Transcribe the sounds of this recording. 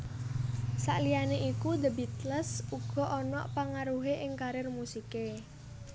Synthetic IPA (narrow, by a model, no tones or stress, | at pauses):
sa̰ʔlianeʔikud̪əbit̪ləsuɡ̥ɔ̤ʔɔnɔ̰ʔpaŋaɾuɦeʔɪŋkaɾɪrmusike